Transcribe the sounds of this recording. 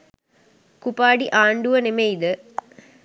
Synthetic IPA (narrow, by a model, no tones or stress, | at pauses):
kupaːɖiʔaːɳɖuʋɐnemejd̪ə